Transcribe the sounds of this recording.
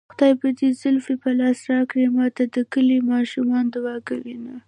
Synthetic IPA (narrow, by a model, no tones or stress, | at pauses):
xʊd̪ɑjpəd̪ezʊlfipəlɑsɾɑkɽemɑt̪ad̪əkəlimɑʃumɑnd̪awɑkawina